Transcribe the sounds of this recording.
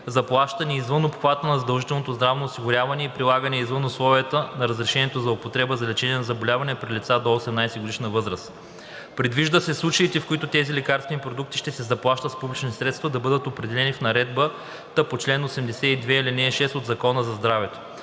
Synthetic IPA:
zɐplˠaʃt̪ɐniizvɤnopxvat̪ənɐzɐd̪ɐlˠʒit̪ɛlˠnot̪ozd̪ɾavnoːsiɡʊɾʲjavɐnɛipɾilˠaɡənɛizvənoslˠɔviət̪ənɐɾəzɾɛʃɛnɛt̪ozɐopot̪ɾɛbəzɐlɛt͡ʃɛniɛnɐzɐbolʲavɐnɛpɾilʲit̪sad̪oosɛmnajsɛɡod̪iʃnəvɤzɾəs | pɾid̪viʒd̪əsɛslˠut͡ʃɐit̪ɛfkoit̪ʊt̪ɛzilʲɛkaɾst̪ʲinipɾod̪uk̚t̪i̥ʃt̪ɛsɛzɐplˠaʃt̪ət̪spublʲit͡ʃnit̪ɛsɾɛt̪st̪vɐd̪ɐbɤd̪ət̪opɾɛd̪ɛlɛnifnɐɾɛd̪̚bə | t̪əpot͡ʃlɛnosɛmd̪ɛsɛid̪vɛilinɛʃɛst̪od̪zɐkɔnəzɐzd̪ɾavɛt̪o̥

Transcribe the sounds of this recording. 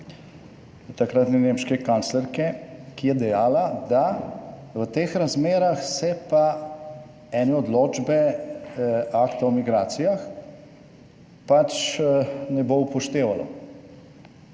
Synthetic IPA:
t̪akɾat̪nɛnemʃkɛkanslɛɾkɛkijɛd̪ɛjaːlad̪a | ʋət̪eːxɾazmeːɾaxsɛpa | ɛnɛɔd̪loːd͡ʒbɛ | akt̪awmiɡɾaːt̪sijax | pat͡ʃ | nɛboupɔʃt̪eːʋalɔ̰

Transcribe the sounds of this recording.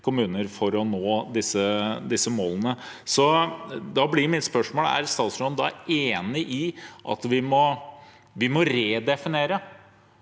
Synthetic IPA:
kʰʊmʉːnəɾfɔɾɔnoːd̪ɪsəd̪ɪsːəmoːlənəsɔd̪ɑblɪɾmɪt̪spœʂmoːlæ̰ɾst̪ɑːt̪sɾoːd̪ɑ̰eːnɪʔɪʔɑ̰t̪ʋɪmɔ | ʋɪmɔɾeːd̪ɛfɪneːɾə

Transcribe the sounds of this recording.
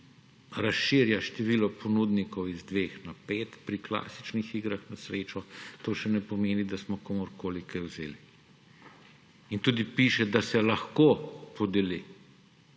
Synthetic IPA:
ɾasʃiːɾjaʃt̪ɛʋiːlɔpʰɔnud̪nikɔwizd̪ʋeːxnapeːt̪pɾikla̰ːsi̥t͡ʃnixiɡɾaxnasɾeːt͡ʃɔt̪oːʃɛnɛpɔmeːnid̪asmɔkomɔɾkoːlikajwzḛːli | int̪ud̪ipiːʃɛd̪asɛlɐxkoːpɔd̪eli

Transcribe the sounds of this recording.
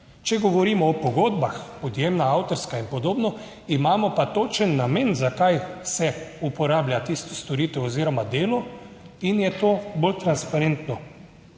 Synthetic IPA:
t͡ʃɛɡɔʋɔɾiːmɔːpɔɡoːd̪baxpɔd̪jemnaawt̪ɔɾskainpɔd̪oːbnɔ | imaːmɔpat̪ot͡ʃənːamenzakajsɛupɔɾaːblʲjat̪ist̪ɔ̥st̪oɾiːt̪ɛwɔziːɾɔmad̪eːlɔ | injɛt̪oːbolt̪ɾanspaɾent̪nɔ

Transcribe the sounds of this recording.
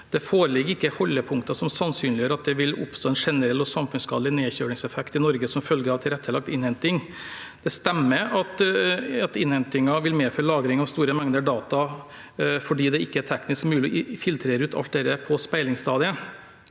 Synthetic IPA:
d̪̥ɛfoːɾəlɪɡəɾɪkːəhɔlːəpʰʊŋkt̪ɑsɔmsɑnsyːnlɪjøːɾɑt̪̚d̪ɛʋɪlʊ̰pst̪oːɛnʂɛnəɾɛlːɔsɑmfʉnsɡɑːd̪lɪneːçøːɽɪŋsɛfɛkt̪ɪnɔɾɡəsɔmfœlɡəɾɑʋt̪ʰɪlɾɛt̪ʰːəlɑk̚t̪ɪnhɛnt̪ɪŋ | d̪̥ɛst̪ɛmːəɾɑt̪ɑt̪ɪnhɛnt̪ɪŋɑʋɪlmeːfɔɾlɑːɡɾɪŋɑʋst̪uːɾəmɛŋd̪əɖɑːt̪ɑ | fɔɖiːd̪ɛɪkːəætʰɛknɪskmʉːlɪɔɪfɪlt̪ʰɾeːɾʉːt̪ɑ̰lt̪̚d̪ɛɾəpʰɔspæɪlɪŋst̪ɑːd̪ɪə

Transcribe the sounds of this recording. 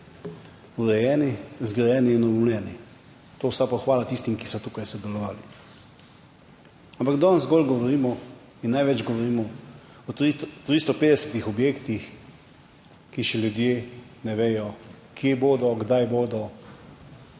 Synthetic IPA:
uɾɛjɛːnizɡɾɛjɛːniinɔbɔwnɛːni | t̪oːwsapɔxʋaːlat̪ist̪imkisɔt̪uːkajsɔd̪ɛlɔʋaːli | ampaɡd̪ɔnzɡɔlɡɔʋɔɾiːmɔ | inːajʋɛd͡ʒɡɔʋɔɾiːmɔ | ɔit̪ɾist̪ɔpeːd̪ɛsɛt̪ixɔbjeːkt̪ix | kiʃɛljud̪jeːnɛʋeːjɔ | kʰjeboːd̪ɔɡd̪ajboːd̪ɔ

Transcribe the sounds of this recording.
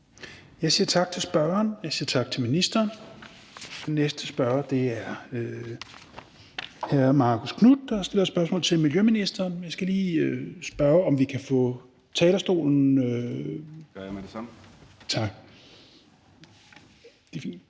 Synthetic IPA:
jɑ̈ɪsiːɐt͡sʰɑ̈ɡ̥̚t͡sʰe̝lsb̥ɶɐɐnjɑ̈ɪsiːɐt͡sʰɑ̈ɡ̥̚t͡sʰe̝lminisd̥ɐːn | d̥enːesd̥əsb̥ɶɐɐd̥e̝æɐø | hæmɑ̈ːkʰoskʰnud̥ːɑ̈sd̥e̝lɐsb̥ɶɐsmɔ̰ːlt͡sʰe̝lmiljøminisd̥ɐːnmjɑsɡ̥æliːøsb̥ɶɐɒ̽mʋikʰæfɔ̰̽ | t͡sʰɛːlɐsd̥o̝̰ːln̩ø̥ | t͡sʰɑ̈ɡ̥ | d̥e̝fḭːnd̥

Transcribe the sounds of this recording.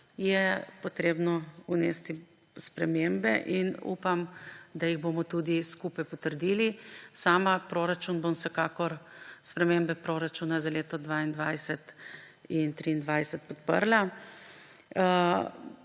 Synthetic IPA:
jɛpɔt̪ɾebnɔunɛst̪i | spɾɛmembɛʔinṵpamd̪ajiɣboːmɔt̪ud̪iskupajpɔt̪əɾd̪ilisaːmapɾoɾat͡ʃunbomwsɛkakɔɾspɾɛmembɛpɾoːɾat͡ʃuːnazaleːt̪ɔd̪ʋaind̪ʋajsɛt̪ | int̪ɾiːnd̪ʋajsɛt̪̚pɔt̪pə̰ɾla

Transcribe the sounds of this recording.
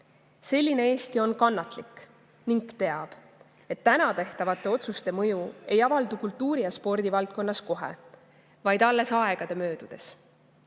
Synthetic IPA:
se̞lʲːine̞e̞ːst̪io̞nkɑnːɑt̪ˑlikːˑ | niŋkt̪e̞ɑb̥ | e̞t̪ːænɑt̪e̞ht̪ɑvɑt̪ːˑe̞o̞t̪sust̪e̞mɤjue̞jɑvɑld̪ukult̪ːuːɾijɑspo̞rd̪̥ivɑlt̪̚ko̞nːɑsko̞ɦe̞̰ | vɑjd̪ɑlːe̞sɑe̞ɡ̥ɑd̪̥e̞mø̞ːd̪̥ud̪̥e̞s

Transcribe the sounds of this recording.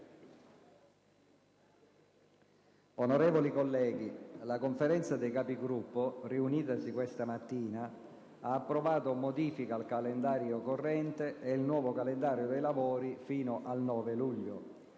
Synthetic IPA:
onoɾɛːvolikolːɛːɡilakoɱfeɾɛnt̪sad̪ejkaːpiɡɾupːoriuniːt̪asikwest̪amat̪ːiːna | aːpːɾovaːt̪omod̪iːfikaːlkalend̪aːɾjokorːɛnt̪eelnwɔːvokalend̪aːɾjod̪ejlavoːɾifiːnoʔalnɔːveluʎːo

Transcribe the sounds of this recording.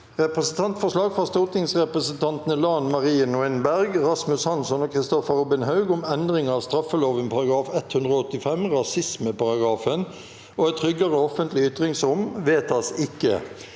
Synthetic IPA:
ʁɛpʁəsənt̪ʰɑnt̪fɔʂlɑːɡfʁɑst̪ot̪ɪŋsʁɛpʁəsənt̪ʰɑnt̪ənəlɑːnmɑʁiːənʊɛnbæʁɡɾɑsmʉshɑnsɔnoːkʰʁɪst̪ɔfəɾɔbɪnɦɑʉɡʊmɛnd̪ʁɪŋɑːʋst̪ɾɑfəloːʋənpʰɑʁɑɡʁɑːfɛt̪hʉnd̪ʁəɔt̪ːɪfɛmʁɑsɪsməpɑʁɑɡʁɑːfən | oːɛɪt̪ʰʁʏɡɑʁəɔfənt̪lɪʏt̪ʁɪŋsɾʊmʋeːt̪ɑsɪkːə̰

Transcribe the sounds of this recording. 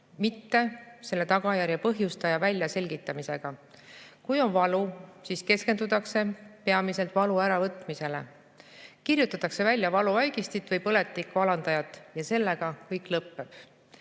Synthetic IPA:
mit̪ːe̞se̞lːe̞t̪ɑɡ̥ɑjæɾjɑpɤɦjust̪ɑjɑvælʲjɑse̞lʲɡ̥it̪ːˑɑmise̞ɡ̥ɑ | kujo̞nvɑlusiːske̞ske̞nd̪ut̪ːˑɑkse̞pe̞ɑmise̞lt̪ˑvɑluæɾɑvɤt̪ːˑmise̞le̞̰ | kirjut̪ːˑɑt̪ːˑɑkse̞vælʲːjɑvɑluɑjɡist̪it̪ˑvɤjpɤle̞t̪ːikːˑvɑlɑnd̪ɑjɑt̪ˑːjɑse̞lːe̞ɡ̥ɑkɤjkˑlɤpːe̞b̥

